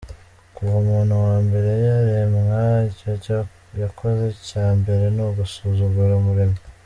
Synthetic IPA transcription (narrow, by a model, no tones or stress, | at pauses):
kuomuːnhuwaːmbe̞ɾe̞jaɾemŋaica | jakʰo̞ze̞caːmbe̞ɾe̞noɡusuzuɡuɾamuɾimo